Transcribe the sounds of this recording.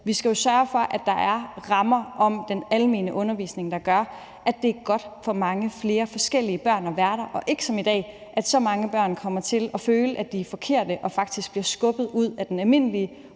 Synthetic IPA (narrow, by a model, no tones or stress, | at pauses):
ʋisɡ̥æjo̝sɶɐfɒ̽ʔæd̥ɑ̈ʔæɐʁɑ̈mɐʔɒ̽md̥enælme̝̰ːnəʔɔ̽nɐʋḭːsne̝ŋd̥ɑ̈ɡ̥ɶɐ | ʔæd̥e̝æɐɡ̥ɒ̽d̥fɒ̽mɑ̈ŋəfle̝ːɐfɒ̽sɡ̥el̰iəb̥ɶɐ̰nɒ̽ʋæɐɾ̥ɐʔɒ̽ʔe̝ɡ̥ə̥sɒ̽mid̥ɛ̰ː | ʔæd̥sɒ̽mɑ̈ŋəb̥ɶɐ̰nkʰɒ̽m̰ɐt͡sʰe̝lʔɒ̽føːləʔæd̥ifɒ̽kʰe̝ɐ̰d̥əʔɒ̽fɑ̈ɡ̥̚d̥isɡ̥̚b̥liɐsɡ̥ɔ̽b̥ð̩ˠuð̞̰ˠæd̥enælme̝n̰liə